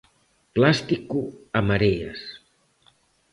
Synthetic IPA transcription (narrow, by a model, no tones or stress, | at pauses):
plast̪ikuaməɾeə̰s